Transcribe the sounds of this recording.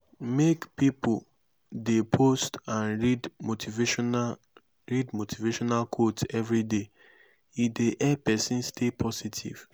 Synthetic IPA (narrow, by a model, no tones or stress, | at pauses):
mekpipul | depʰostãnɹidmotʰiv | ɹidmotʰiveʃɔnalkʰotɛvɾide | ideʔɛpɛsĩnstʰepʰɔsitʰḭv̥